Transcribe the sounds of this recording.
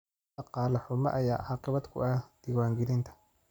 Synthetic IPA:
ɑqɑːlɐħʊmɐ̰ʔɐja̰ːʔɑːqɪβɐd̪kʰʊ̰ɐhd̪̥iːwaːŋɡɛlɪnt̪ʰɐ̥

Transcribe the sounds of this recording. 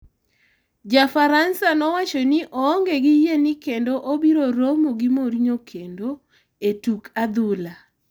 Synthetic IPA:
d͡ʒafaɾansanɔwat͡ʃonɪʔɔːŋɡeɡɪjenɪkendoʔobiɾoɾomoɡɪmoɾiɲokʰendo | etukʰad̪ʊla

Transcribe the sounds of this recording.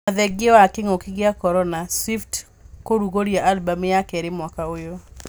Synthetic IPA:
aðɛɡɪɔakɪŋokɪɡeakɔɾɔnaswift | koɾuɣoɾjaʔalbamjakɛɾɪmwakaojo

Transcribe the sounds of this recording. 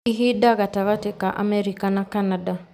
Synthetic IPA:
iɦiɗaɣataɣatɛkaʔa̰mɛɾikanakanaɗa

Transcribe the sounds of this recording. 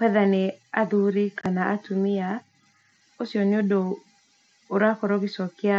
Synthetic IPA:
kwɛðaneaðuɾikʰanaʔatumia | osjɔnodoː | ɾakɔɾɔɣisɔkɪa

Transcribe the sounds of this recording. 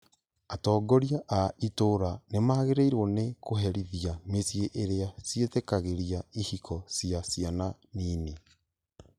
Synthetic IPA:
atɔːɡɔɾiaʔaitoɾanemaːɣeɾeiɾwɔnekoɦɛɾiðiamesjeʔeɾeasjetekaɣeɾiaihikʰɔsjasjana | niːne

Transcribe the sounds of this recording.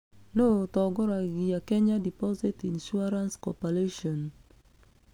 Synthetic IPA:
notɔɡɔɾaɡijakɛɲadipɔzitinʃuaɾanskɔpɛɾeʃɔn

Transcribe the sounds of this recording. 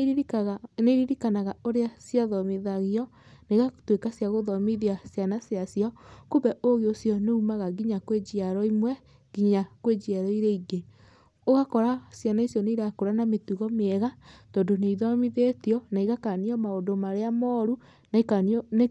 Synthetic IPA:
neɾiɾikanaɣaoɾeasjaðɔmiðaɣiɔ | neɣatwekasjaɣoðɔmiðiasjanasjasjɔkobɛʔoɣeosjɔneumaɣaɡiɲakwed͡ʒiaɾɔimwɛ | ɡiɲakwed͡ʒiaɾɔiɾeiɡe | oɣakɔɾasjanaisjɔneiɾakoɾanametuɣɔmeɛɣatɔːndoneiðɔmiðetiɔnaiɣakaniɔmaondomaɾeamɔɾu | n

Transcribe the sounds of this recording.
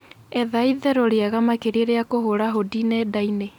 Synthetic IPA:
ɛðaiðɛɾoɾeaɣamakeɾeɾeakoɦoɾaɦodinɛːdaine

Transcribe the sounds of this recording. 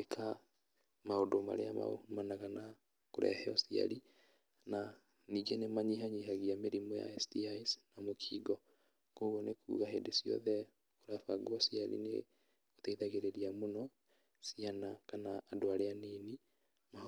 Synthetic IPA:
ekʰa | maodoma̰ɾeama̰o̰manaɣana | koɾɛ̰hɛɔsia̰ɾi | na | niːɡenemaɲiɦaɲiɦaɣiameɾimɔja̰ɛstiaisnamokʰiːɡɔ | koɣɔnekʰṵːɣaɦendesjɔ̰ðɛ | oɾafaɡwɔsiaɾḭnḛ | oteiðaɣeɾeɾiamonɔ | sianakanaːdoaɾeaniːni | ma

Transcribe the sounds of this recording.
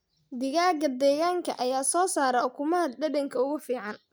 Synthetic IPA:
d̪ɪɣaːɡɐd̪ɛːɣaːŋkʰɐ̰ʔɐjaːsɔːsaːɾɛʊkʰʊmɐɐd̪ɖɐdɐŋkʰɐʊɣʊfiːʕɑn

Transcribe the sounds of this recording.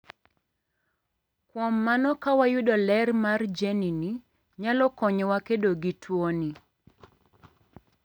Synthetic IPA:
kwɔmːanɔkawajʊdɔlɛrmard͡ʒenini | ɲalɔkɔɲɔwakedoɡitʰwoni

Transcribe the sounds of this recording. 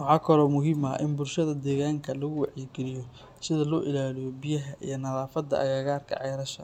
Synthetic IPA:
wɑħɑːkʰɐlɔːmʊɦiːmɐ̰ʔɪnbʊlʃɐðɐd̪ɛːɣaːŋkʰɐlɐɣʊwɑħjɪɡɛlɪjɔ | sɪðɐlɔːʔɪlaːlɪjɔbijɐɦɐʔḭjɐnɐðaːfɐd̪ːɐ̰ʔɐ̰ɣɛːɣaːrkʰɐ̰ʕɑjɾɐʃɐ̰

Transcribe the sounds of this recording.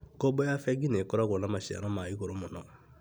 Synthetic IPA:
kobɔjafɛɡinekɔɾɔɡolamasɛa̰nɔmaikoɾomɔnɔ

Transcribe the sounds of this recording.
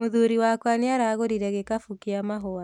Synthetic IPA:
muðuɾiwakwaniaɾaɣoɾiɾɛɣekafukiamaɦɔa

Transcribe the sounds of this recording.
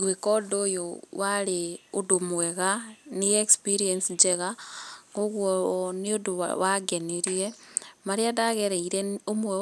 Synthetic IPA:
ɣwekodojowaɾeodomuweɣanijekspiɾiensid͡ʒeɣaŋɡoɣwoniodo̰waɡeneɾiɾemaɾiadaɣeɾeiɾeomue

